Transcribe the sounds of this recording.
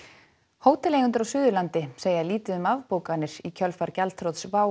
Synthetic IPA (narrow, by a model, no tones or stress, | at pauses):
hoːwt̪ɛleːjɣʏnt̪ʏɾawsʏːðʏlant̪ɪseːjaliːt̪ɪʏmavpoːwkanːɪɾ̥icʰœlfaɾcalt̪ʰɾowt̪svaːw